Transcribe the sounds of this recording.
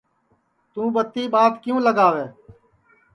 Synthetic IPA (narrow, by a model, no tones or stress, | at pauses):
t̪ũːɓət̪ːiːɓaːt̪kɪjũːləɡaːʋeː